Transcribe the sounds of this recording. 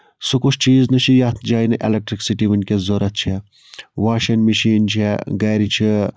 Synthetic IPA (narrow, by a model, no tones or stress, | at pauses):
sukut͡ʃʰt͡ʃiːznɐt͡ʃʰijaːt̪ʰd͡ʒaːjnɨʔḛlek̚ʈɾiksiʈiʋinkʲezoɾɐt̪̚t͡ʃʰe | ʋaːʃɐnmiʃiːnt͡ʃʰeɡɐːɾit͡ʃʰi